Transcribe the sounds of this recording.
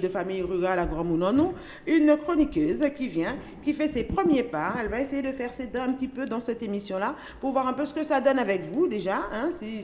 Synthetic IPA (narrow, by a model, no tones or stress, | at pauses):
d̪əfamijʁyʁalaɡʁɑ̃munɑ̃nɔ̃ | ynkχɔnikøzkʲivjɛ̃ | kʲifɛsepχəmjepaɛlvaesejed̪əfɛʁsed̪ɛ̃ɛ̃pət̪ipød̪ɑ̃sɛt̪emisjɔ̃la | puʁvwaʁɛ̃pøsə̥kəsad̪ɔnavɛkvud̪eʒaɛ̃si